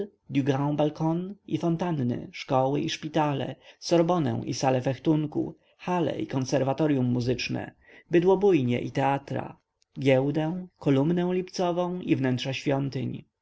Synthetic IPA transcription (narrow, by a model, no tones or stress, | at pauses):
d̪ʲjuɡãbalkɔnʔifɔnt̪anːɘ̰ʂkɔwɘʔiʂpʲit̪alɛ̰sɔɾbɔnɛ̰̃w̃ʔisalɛfɛxt̪uŋkṵ | xalɛ̰ʔikɔnsɛɾvat̪ɔɾjumːuzɘt͡ʂnɛ̰ | bɘd̪wɔbujɲɛ̰ʔit̪ɛat̪ɾa̰ | ɡʲjɛwd̪ɛw̃kɔlumnɛw̃lʲipt̪sɔvɔ̃w̃ivnɛntʂaɕfʲjɔnt̪ɘɲ